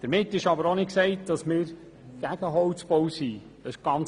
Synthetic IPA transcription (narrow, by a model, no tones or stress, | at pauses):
d̥əɾmɪtːɪʃɑbəɾonɪksɛɪt̚d̥ɑsmɪːɾ | ɡ̥æɡ̥əɦɔt͡sb̥owsiː | ɑʃɡ̥ɑn